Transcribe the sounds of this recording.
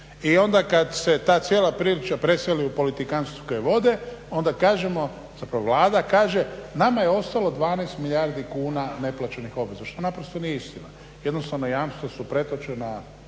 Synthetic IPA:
io̞nd̪akad̪set̪aːt̪sjelˠapɾilit͡ʃapɾe̞seliupo̞lit̪ikanst̪u̥ko̞jeʋo̞d̪eo̞nd̪akaːʒemo̞ | zapɾaʋoʋlaːd̪akaːʒenamajeo̞st̪alo̞d̪ʋaːneːst̪milʎʲaːɾd̪ikuːnane̞plat͡ʃenixo̞bʋe̞zaʃt̪onapɾost̪o̞nijist̪ina | je̞d̪no̞st̪aʋnojaːmst̪ʋosupɾe̞t̪o̞t͡ʃena

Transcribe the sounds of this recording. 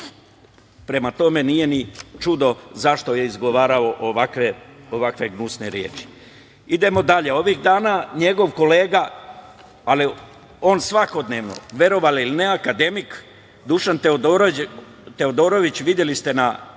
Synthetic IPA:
pɾe̞mat̪o̞me̞nije̞nit͡ʃud̪o̞zaʃt̪o̞je̞izɡo̞ʋaːɾao̞ʔoʋakʋeoʋakʋe̞ɡnusne̞ɾje̞ːt͡ʃi̥ | id̪e̞mo̞d̪aʎe̞o̞ʋiɣd̪aːnaɲe̞ɡo̞ʋko̞le̞ːɡa | ali | o̞ːnsʋako̞d̪neːʋno̞̰ʋe̞ɾo̞ʋaliline̞akad̪e̞mik | d̪uʃant̪eɾ | t̪e̞od̪o̞ːɾo̞ʋit͡ɕʋid̪je̞list̪e̞na

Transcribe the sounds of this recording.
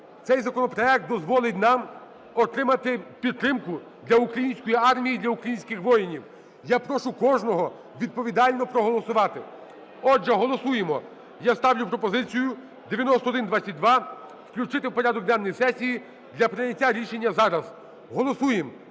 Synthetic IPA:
t̪sɛjzɐkɔnɔpɾɔɛk̚t̪d̪ɔzʋɔlˠɪtʲnɑm | ɔt̪ɾɪmɐt̪ɪpʲid̪̚t̪ːɾɪmkʊ | d̪lʲɐukɾɐjinʲsʲkɔjiɑrmʲijid̪lʲɐukɾɐjinʲsʲkɪxʋɔjɪnʲiw | japɾɔʃʊkɔʒnɔɦɔ | ʋʲid̪̚pɔʋʲid̪ɑlʲnɔpɾɔɦɔlˠɔsʊʋɑt̪ɪ | ɔʒːɛɦɔlˠɔsujemɔ | jast̪ɑwlʲʊpɾɔpɔzɪt͡sʲijʊ | d̪eʋʲjɐnɔst̪ɔːd̪ɪnd̪ʋat͡sʲːɐt̚ʲd̪ʋɑ | wklʲut͡ʃɪt̪ɪwpɔɾʲad̪ɔk̚d̪ɛnːɔjisɛsʲiji | d̪lʲɐpɾɪnʲɐtʲːaɾʲiʃe̞nʲːɐzɑɾɐz | ɦɔlˠɔsujem

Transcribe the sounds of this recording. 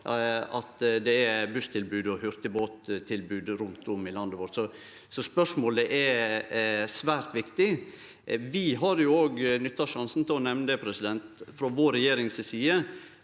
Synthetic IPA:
ɑt̪d̪ɛæbʉst̪ʰɪlbʉːd̪ɔhʏɾt̪əboːt̪t̪ʰːɪlbʉːd̪ɾʉnt̪ʰʊmɪlɑnd̪əʋoːɾsɔ | sɔspœʂmoːləʔɛ | sʋæːɾt̪ʋɪkt̪ɪ | ʋɪɦɑɾjʊoːɡnʏt̪ːɑʂɑnsn̩t̪ʰɪlɔnɛʋnəd̪əpʰɾɛsɪd̪ɛnt̪fɾɔʋoːɾɛjeːɾɪŋssiːə

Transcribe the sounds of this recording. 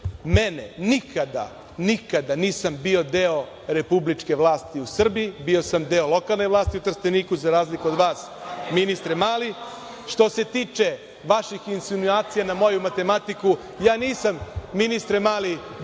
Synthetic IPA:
menḛnikʰad̪a̰ | nikad̪aniːsambio̞d̪eo̞ | ɾe̞publit͡ʂke̞ʋlˠaːst̪iusr̩biːbio̞samd̪eːo̞lˠo̞kalˠne̞jʋlaːst̪iut̪rst̪eniːkuzaɾaːzlikuo̞d̪ʋaːs | minist̪ɾemaːli | ʃt̪o̞se̞t̪iːt͡ʃe̞ | ʋaʃixinsinuaːt̪sijanamo̞jumat̪e̞mat̪iku | jaːniːsamːinist̪ɾemaːli

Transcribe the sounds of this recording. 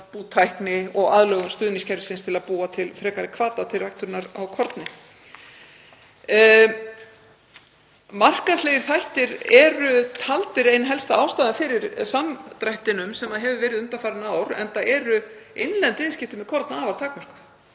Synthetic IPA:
put̪ʰajhknɪɔɣaðlœːɣʏmst̪ʏːðniŋscʰɛɾvsɪnst̪ʰɪlaðpuːat̪ʰɪlfɾɛːkaɾɪkʰvaːt̪at̪ʰɪlrajkt̪ʏɾɪnaɾawkʰɔɾt̪nɪ | mar̥kaðsleːjɪɾ̥θajht̪ɪɾɛɾʏt̪ʰalt̪ɪɾejnɦɛlst̪aaːwst̪aːðanfɪɾɪɾ̥samt̪ɾajht̪ɪnʏmsɛmaðɦɛvʏvɛːɾɪðʏnt̪afaːɾɪnaːwɾɛ̰nt̪aʔɛɾʏejnlɛnt̪vɪðscɪft̪ɪmɛðkʰɔɾt̪naaːvḁt̪ʰaːkmœr̥kʏ̥

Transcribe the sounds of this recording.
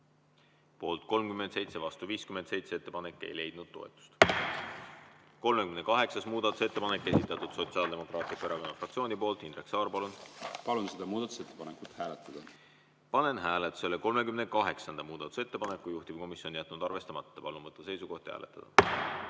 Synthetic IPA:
po̞ːlt̪̚ko̞lmkymend̪se̞jt̪se̞vɑst̪uviːskyment̪se̞jt̪seet̪ːe̞pɑne̞kːˑe̞̰jle̞jd̪̥̚nud̪̥̚t̪ːo̞̰et̪ːˑu̥st̪ | ko̞lmekymne̞kɑɦe̞ksɑsmuːd̪̥ɑt̪u̥se̞t̪ːepɑnekːˑe̞sit̪ːˑɑt̪ud̪̥so̞t̪siɑːld̪e̞mo̞krɑːt̪ipːeɾɑko̞nːɑfrɑk̚tsio̞ːnipo̞ːlt̪ˑinreksɑːrpɑlunpɑlunsed̪ɑmuːd̪ɑt̪u̥set̪ːepɑnekut̪hæːlet̪ːˑɑd̪̥ɑ | pɑne̞nɦæːlet̪ːˑu̥se̞leko̞lme̞kymne̞kɑɦe̞ksɑnd̪ɑmuːd̪̥ɑt̪ːˑu̥se̞t̪ːe̞pɑne̞kːˑujuht̪iv̥ko̞misjo̞njæt̪ːˑnud̪ɑrve̞st̪ɑmɑt̪ːɑpɑlunvɤt̪ːˑɑse̞jsuɡ̥o̞ht̪hæ̰ːle̞̰t̪ːˑɑd̪̥ɑ

